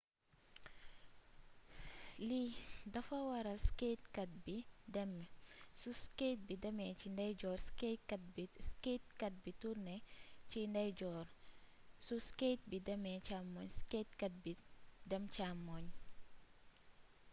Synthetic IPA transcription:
lidɐfɐwɐɾɐsketkɐt̚bimsusket̚bidɐmɛt͡ʃindɐjd͡ʒɔːɾskekbisket̚kɐt̚bituɾnɛt͡ʃindɐjd͡ʒɔɾ | susket̚bidɛmɛt͡ʃamːɔɲsketkɐt̚bidɛmt͡ʃamːɔɲ

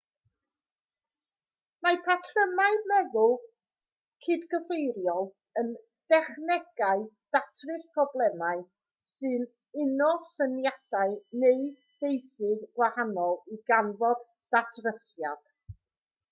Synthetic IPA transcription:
mapʰatʰrəmaɨmɛðʊlˠ | kʰɨdɡəfejɾjɔlˠ | ən | d̥ɛχnɛɡ̥aɨd̥atʰrɨθpʰrɔblˠɛmaɨ | sɨn | ɪnɔsənjad̥aɨnej | v̥ejsɨðɡwahanɔlˠiɡanvɔd | d̥atʰrəsjad̥

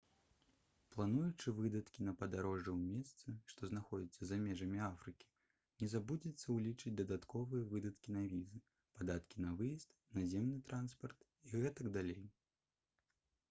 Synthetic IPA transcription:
plˠanujut͡ʂɨvɨd̪ɐt̪kʲinɐpɐd̪aɾɔʐɛwmʲɛst̪sɨʂt̪ɔznaxɔd͡zʲit̪sːɐzamʲɛʐɐmʲiafɾɨkʲi̥ | nʲɛzabud͡zʲit̪sːɐwlʲit͡ʂɨd͡zʲd̪ɐd̪at̪kɔvɨjɐvɨd̪ɐt̪kʲinavʲizɨ | pad̪at̪kʲinɐvɨjist̪nazʲemnɨt̪ɾanspɐrt̪ | iɣɛt̪ɐɡd̪alʲej

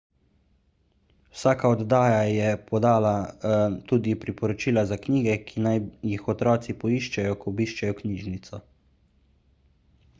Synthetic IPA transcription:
wsaːkaɔd̪d̪aːjajɛpʰɔd̪aːlat̪uːd̪ipɾipɔɾɔt͡ʃiːlazakniːɡɛkʰinajjixɔt̪ɾɔːt̪sipɔiːʃt͡ʃɛjɔkɔbiːʃt͡ʃajɔkniːʒnit̪sɔ

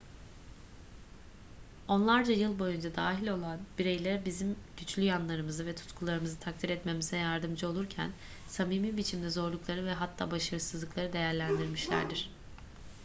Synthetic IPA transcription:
o̞nlˠaɾd͡ʒajɯlˠbo̞jund͡ʒad̪aːɦilʲo̞lˠanbiɾe̞jlʲæɾbizimɟ̥yt͡ʃlʲyjanlˠaɾɯmɯzɯvɛt̪ʰu̥t̪kʰulˠaɾɯmɯzɯt̪ʰak̚t̪ʰiɾɛt̪me̞mizɛjaɾd̪ɯmd͡ʒɯo̞lˠuɾcʰæ̰n | samiːmiːbit͡ʃʰimd̪ɛzo̞ɾlˠuklˠaɾɯvɛɦat̪ʰːa̰ːbaʃaɾɯsɯzlˠɯklˠaɾɯd̪e̞jæɾlʲænd̪iɾmiʃlʲæ̰ɾd̪iɾ̥

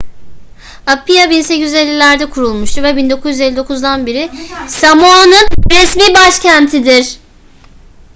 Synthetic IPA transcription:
apijabinse̞cize̞lʲːilʲæɾd̪ɛkʰuɾulˠmuʃt̪ʰuɾvɛbind̪o̞kʰuzjyzelʲːid̪o̞kʰuzd̪anbiɾɪsamonunɾɛsmiːbaʃcænt̪ʰid̪ɪɾ̥

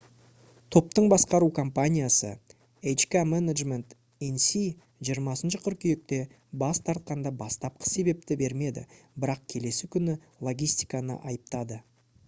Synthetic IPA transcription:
t̪ʰo̞pt̪əɴbɑsqɑɾukʰompanʲijasə̰ | ejt͡ʃkʲamenaʒme̞nt̪ | ensi | ʒijəɾmɑsənʃəqʰʏɾkʲʰʏje̞k̚t̪e̞ | bɑst̪ʰɑɾt̪̚qɑnd̪ɑbɑst̪ɑp̚qʰə̥se̞be̞p̚t̪ɪbe̞ɾme̞d̪ɪ̰bɪɾɑq̚kʲʰe̞le̞sɪkʲʰʏnɪ | lˠo̞ɡʲijst̪ijkɑnə̰ʔɑjəp̚t̪ɑd̪ə

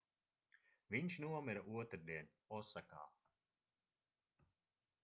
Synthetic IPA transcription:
viɲʃnuɔmiɾaʔuɔt̪ɾd̪iɛn | ɔsːaka̰ː

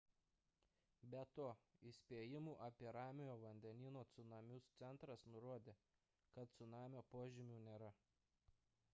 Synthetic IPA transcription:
bʲɛt̪oːɪsʲpʲeːjɪmuːʔɐpʲiɛɾɑːmʲɪjoːʋɐnʲd̪ʲɛnʲiːnoːt̪sʊnɑmʲʊst̪sʲɛnˑt̪ɾɐsnʊɾoɔd̪ʲeː | kɐt̪̚t̪sʊnɑːmʲoːpoːʒʲɪmʲuːnʲeːɾɐ

